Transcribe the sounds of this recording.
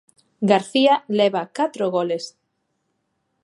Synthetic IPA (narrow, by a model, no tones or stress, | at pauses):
ɡaɾθialeβakat̪ɾoɣoles